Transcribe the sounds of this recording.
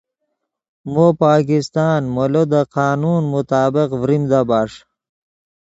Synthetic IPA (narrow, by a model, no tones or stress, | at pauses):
mopaːkist̪aːnmolod̪əqaːnuːnmʊt̪aːbɪqvɾimd̪abaːʂ